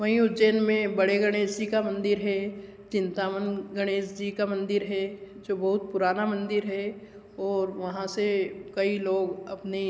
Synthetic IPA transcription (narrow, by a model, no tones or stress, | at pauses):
mɐ̃ĩud͡ʒeːnmẽbɐɽeɡɐɽ̃eːsikamɐ̃nd̪ɪɾɦɛ | t͡ʃɪ̃nt̪aːmənɡɐɽ̃eːsd͡ʒikamɐ̃nd̪ɪɾɦɛd͡ʒoːbɐɦʊt̪̚pʊɾaːnamɐ̃nd̪ɪɾɦɛ | ɔːɾʋɐɦãsekɐiloːɡɐpne